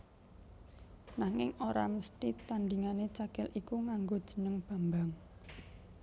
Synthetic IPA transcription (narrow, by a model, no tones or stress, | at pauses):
naŋɪŋʔoɾa̰məst̪it̪aɳɖiŋanet͡ʃakɛlʔikuŋaŋɡod̥ʒ̥ə̤̥nəŋb̥a̤mbaŋ